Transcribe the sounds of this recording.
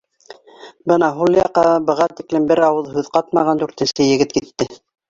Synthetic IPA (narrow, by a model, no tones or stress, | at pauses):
bɤnɑɦulˠjɑqːɑbɤ̆ʁɑt̪iklɘmbɘɾɑwɤðˠhʉðqɑt̪mɑʁɑnd̪ʉɾt̪ɘ̆nsɘjɘ̆ɡɘt̪kit̪ːɘ